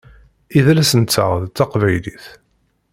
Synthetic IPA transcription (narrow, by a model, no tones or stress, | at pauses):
iðlæsənt͡sːə̰ʁðt͡s̪ːɑqvæjliθ